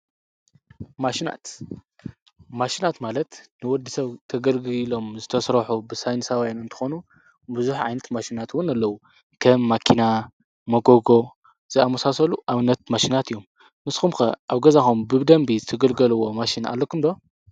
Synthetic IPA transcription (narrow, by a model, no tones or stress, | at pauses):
maʃina̰t̪ | maʃinat̪malɐt̪nɨwɔd̪isɐβt̪ʰɐɡɐlɡlo̞mzɨt̪ʰɐsɾɐħubɨsajnsawjanɨnt̪ʰɨ̥xo̞nu | bɨzuħʕa̰jnɐt̪maʃinat̪wʊnalːɐwu | kʰɐmːakʰina | mɐɡoɡo̞ | z̥ɨamɐsasɐluʔaβɨnːɐt̪̚maʃinat̪ɨjːo̞m | nɨsxumxɐ̰ʔaβɡɐzaxumbɨβd̪ɐmbizɨt̪ʰɐɡɐlɡɐlɨwo̞maʃina̰lːokʰumd̪o̞